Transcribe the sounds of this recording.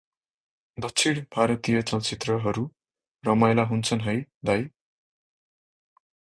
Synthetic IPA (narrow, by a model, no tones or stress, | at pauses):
d̪ʌkt͡sʰiɽbʱaɾʌt̪ijʌt͡sʌlt͡sit̪rʌɦʌɾu | rʌmajlaɦunt͡sʰʌnɦʌjd̪aj